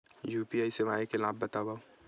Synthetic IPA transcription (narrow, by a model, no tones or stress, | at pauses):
juːpiaːiseʋaːekelaːbːɐt̪aːbaːo